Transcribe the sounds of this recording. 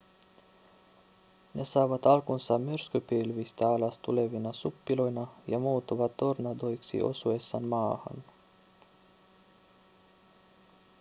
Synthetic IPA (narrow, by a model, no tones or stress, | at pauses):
nesɑːʋɑt̪ɑlkunsɑmyɾskypilʋist̪æɑlɑst̪uleʋinɑsupːilo̞jnɑjɑmuːt̪uʋɑt̪ːornɑd̪ojksḭʔo̞̰suesːɑ̰nmɑːhɑ̰n